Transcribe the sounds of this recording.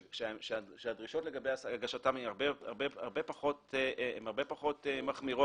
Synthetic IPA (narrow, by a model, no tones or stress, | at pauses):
ʃeeʃeaʃeadʁiʃo̞tle̞ɡabejasɡaʃatamemaʁbeaʁbea̰ʁbe̞paχo̞teemaʁbepaχo̞t̪emaχmiʁo